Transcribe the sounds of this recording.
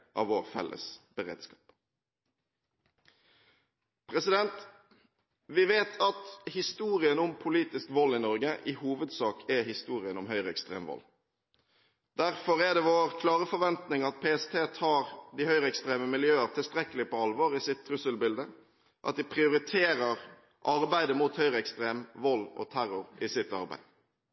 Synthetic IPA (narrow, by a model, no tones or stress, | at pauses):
ʔɑ̰ʋoːʁfɛ̰lʔə̰sb̥əʁḛːd̪skɑːp | pʰɾɛsɪd̪ɛnt̪ | ʋɪʋeːt̪ʰɑt̪hɪst̪uːʁɪənʊmpʰʊliːt̪ɪskʋɔlːɪnɔʁɡəʔɪhuːʋəd̪sɑːkʰɛhɪst̪uːʁɪənʊmɦœʏʁəɛkst̪ʁḛːmʋɔ̰l | d̪̥æʁfɔɾɛd̪ɛʋoːʁkʰlɑːʁəfɔɾʋɛnt̪nɪŋɑt̪̚pʰeːɛst̪ʰeːt̪ʰɑːʁd̪ɪhœʏʁəɛkst̪ɾeːməmɪljøːəʁt̪ʰɪlst̪ɾɛkəlɪpɔɑlʋoːʁɪsɪt̪ʰːɾʉsəlbɪld̪ə | ʔɑ̰t̪̚d̪ɪpʰʁɪʊɾɪt̪ʰeːɾəʁ | ʔɑʁbæɪd̪əmut̪hœʏʁəɛkst̪ɾeːmʋɔlːɔ̰t̪ʰæɾʊʁɪsɪt̪ɑ̰ɾbæ̰ɪd̪